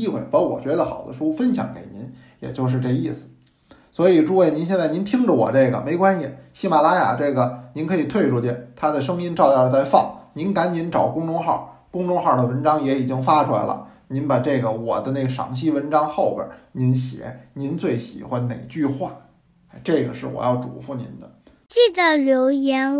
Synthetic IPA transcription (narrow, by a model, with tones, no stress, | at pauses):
i˥˧xwe˥˩fə˧˥wɔ̰˨˩t͡ɕɥɛ˧˥d̪ə˧xɑ̰˨˩ʊd̪ə̰˦ʂu˥fə˥nɕjɑ̰˧˥ŋkḛ˨˩ɪni˧˥n | jɛ̰˨˩t͡ɕjo˥˧ʊʂ̬ɻ̩˥˧ʈ͡ʂɤ˥˧i˥˩sɹ̩˨˩ | swɔ˧˥i˨˩ʈ͡ʂu˥˧we˥˩ɪni˧˥nɕ̬jɛ˥˧nt͡sa˥˩ɪni˧˥nt̪ʰi˥ŋʈ͡ʂə˨wɔ̰˨˩ʈ͡ʂɤ˥˩ɡə̰˩me˧˥ɪkwa˥nɕi˨˩ɕi˥˩ma˨˩la˥ja̰˨˩ʈ͡ʂɤ˥˩ɡə˩ni˧˥nkʰɤ˧˥i˨˩t̪ʰwe˥˧ɪʈ͡ʂʰu˥˩t͡ɕ̪jɛ˥˩nt̪ʰa˥d̪ə˨ʂɤ˥ŋi˥nʈ͡ʂɑ˥˧ʊt̪ɑ˥˧˩ə˧t͡sa˥˧ɪfɑ̰˥˩ŋni˧˥nka˧˥nt͡ɕi˧˥nʈ͡ʂɑ˨˩ʊkʊ˥ŋʈ͡ʂʊ˥ŋxɑ˥˩ | kʊ˥ŋʈ͡ʂʊ˥ŋxɑ˥˩d̪ə˩wə˧˥nʈ͡ʂɑ˥ŋjɛ˧˥i˨˩t͡ɕi˥ŋfa˥ʈ͡ʂʰu˥la̰˧˥ɪlə̰˧˩ni˧˥npa˨˩ʈ͡ʂɤ˥˩ɡə˩wɔ̰˨˩d̪ə˦ne˥˩ɡə˩ʂɑ̰˧˥ŋt͡ɕʰi˥wə˧˥nʈ͡ʂɑ˥ŋxo˥˩ʊbjə̰˨˩˦ni˧˥nɕjɛ̰˨˧˥ni˧˥nt͡swe˥˩ɪɕḭ˨˩xwa˧˥nne˨˩ɪt͡ɕy˥˧xwa˥˩˧ | ʈ͡ʂɤ˥˩ɡə̰˩ʂɻ̩˥˩wɔ̰˨˩jɑ˥˩ʊʈ͡ʂṵ˨˩fu˧˥nḭ˧˥nd̪ə˧ | t͡ɕi˥˩d̪ə˨˩ljo˧˥ʊjɛ˧˥n